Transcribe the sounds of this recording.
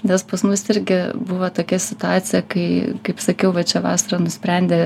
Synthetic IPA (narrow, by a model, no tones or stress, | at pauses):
nʲɛspɐsmʊsɪɾʲɡʲɪbʊʋɐt̪oːkʲɛsʲɪt̪ʊɑːt͡s̪ʲɪjɛkɐɪkɐɪpsɐkʲɛʊʋɐt͡ʃʲɛʋɑ̰ːsɐɾɐnʊsʲpʲɾʲɛnʲd̪ʲeː